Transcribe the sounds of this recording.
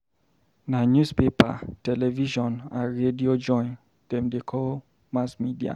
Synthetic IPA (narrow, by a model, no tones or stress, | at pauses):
nanjuspepa̰tɛlɛviʃɔ̃naɹediod͡ʒɔ̃ɪ̃n | d̥ɛ̃mdekʰɔl | masmidia̰